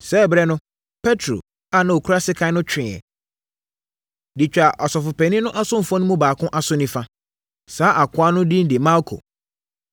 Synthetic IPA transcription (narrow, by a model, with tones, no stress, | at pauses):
sɛ˦˨bɾɛ˦nʊ̃˦ | pʰɛ˦tʰɾo̰˨ | a˨nã˨wo˨kʰu˦ɾa˦sɪ˦kʰã˦nʊ̃˦t͡ɕʰᶣɪ̃˨ɛ̰˨ | di˨t͡ɕᶣa˨ʔɔ˨sɔ˨fʊ˨pʰɛ̃˨nĩ˦nʊ̃˦ʔa˦sʊ̃˦m̩˨fɔ̃˦nʊ̃˦mũ˦baː˨kʰʊ̃˦ʔa˨sʊ˦nĩ˦fã˦ | saː˨˦ʔa˨kʰʊ˦a˦nʊ̃˦dĩ˦n̩˦di˨ma˦ɾkʰo̰˨